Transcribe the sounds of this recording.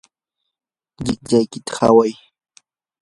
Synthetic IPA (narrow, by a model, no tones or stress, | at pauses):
ʎɪk̚ʎajkɪt̪ḁha̰waj